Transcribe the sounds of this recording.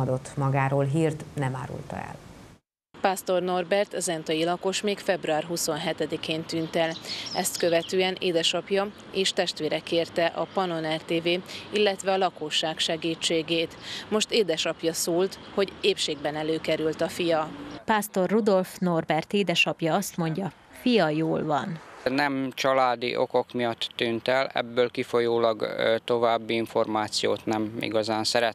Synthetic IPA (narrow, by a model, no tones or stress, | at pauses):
ɒd̪o̞t̪ːmɒɡaːɾoːlɦiːrt̪nɛma̰ːɾṵlt̪ɒ̰ɛ̰l | paːst̪o̞rno̞rbɛrt̪ɒzɛnt̪ɒjilɒko̞ʃmeːkfɛbruaːrɦuso̞nɦɛt̪ɛd̪ikeːnt̪ynt̪ɛlɛst̪kø̞vɛt̪øːɛnʔḛːd̪ɛʃɒpjɒ | eːʃt̪ɛʃt̪ʋeːɾɛkeːrt̪ɛʔɒpɒno̞nɛrt̪eːveːilːɛt̪ʋɛɒlɒkoːʃːaːkʃɛɡiːt͡ʃːeːɡeːt̪mo̞ʃt̪eːd̪ɛʃɒpjɒsoːlt̪ho̞ɟeːpʃeːɡbɛnɛløːkɛɾylt̪ɒfijɒpaːst̪o̞rːud̪o̞lfno̞rbɛrt̪eːd̪ɛʃɒpjɒɒst̪mo̞ɲɟɒ | fijɒjoːlvɒnnɛmt͡ʃɒlaːd̪ḭʔo̞ko̞kmijɒt̪ːynt̪ɛlɛ̰bːøːlkifo̞joːlɒɡt̪o̞vaːbːiiɱfo̞rmaːt̪sijo̰ːt̪nɛmḭɡɒzaːnsɛɾɛt̪